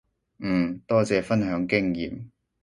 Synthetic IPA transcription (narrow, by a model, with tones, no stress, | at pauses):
m̩ː˨˩t̪ɔː˥t͡sɛː˨˧fɐ˥nɦœː˨˥ŋkɪ˥ŋjiː˨m